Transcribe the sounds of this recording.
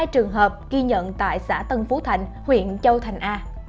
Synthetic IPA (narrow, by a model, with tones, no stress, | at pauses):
jt͡ɕɨ˨˩əŋɦəː˨˩p̚ɣi˧ɲə̰˧˨nt̪a̰ː˧˨jsa̰ː˧˥t̪ə˧nfu˨˦t̪ʰa˨˧˩jŋ̟hwḭ˧˨ənt͡ɕə˧wt̪ʰa˨˩jŋ̟ʔaː˧